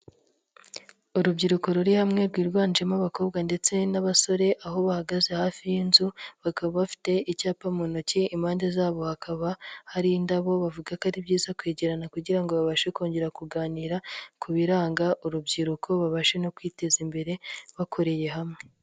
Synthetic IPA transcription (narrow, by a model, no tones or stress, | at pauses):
uɾubɟiɾuko̞ɾuɾihamŋe̞ɾɡwiːɾɡwaːnd͡ʒemaβako̞ːbɡande̞t͡se̞naβaso̞ɾe̞ʔaɦo̞βahaɡaze̞haːfijinzuβakaβaβafi̥te̞icaːpamonociimaːnde̞zaːβo̞hakʰaβahaɾindaβo̞βavuɡakaɾibɟiːzakweːɟe̞ɾanakuɟiɾaŋɡo̞βaβaʃe̞ko̞ːɲɟe̞ɾakuɡaːniɾakʰuβiɾaːŋɡaʔuɾubɟiɾukʰo̞βaβaʃe̞no̞kwiːte̞zimbe̞ɾe̞βakʰo̞ɾe̞je̞ɦamŋe̞